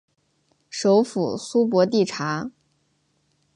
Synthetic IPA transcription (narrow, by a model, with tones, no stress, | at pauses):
ʂo˧˥ʊfu˨˩su˥p̬wɔ˧˥t̪i˥˩ʈ͡ʂʰa˧˥